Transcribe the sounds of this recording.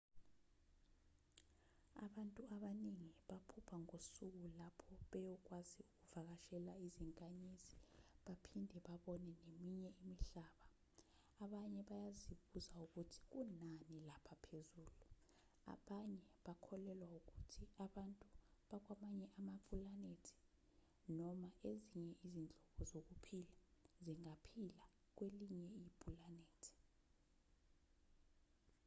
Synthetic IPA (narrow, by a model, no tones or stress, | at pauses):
a̰ɓantʼuaɓaniŋiɓapʰupʰaŋosuk̬ulapʰɔɓɛjɔk̬waziuk̬uvak̬aʃɛlaiziŋkʼaɲiziɓapʰindʱɛɓaɓɔnɛnemiɲɛimiɬaːɓaː | ɓaɲɛɓajaziɓuzauk̬utʰi̥k̬unanilapʰapʰezuːlu | a̰ɓaɲɛɓakʰɔlɛlwauk̬utʰiaɓantʼuɓak̬wamaɲɛʔamapʼulanetʰi̥ | nɔmaʔeziɲɛʔizind͡ɮʱɔɓɔzok̬upʰilaziŋapʰila | k̬weliɲɛijipʼulaneːtʰi̥